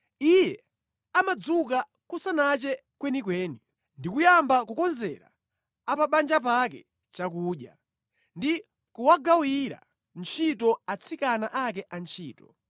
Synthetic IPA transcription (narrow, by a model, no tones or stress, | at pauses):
ijɛ | amad͡zuka | kusanat͡ʃɛkwɛnikwɛːni | ndikujambakukɔnzɛ̰ɾa̰ | apaɓand͡ʒapakɛ̰ | t͡ʃakuːɗja̰ | ndi | kuwaɡawiɾa̰ | nt͡ʃʰitɔat͡sʰikanaʔak̬ɛʔant͡ʃʰiːtɔ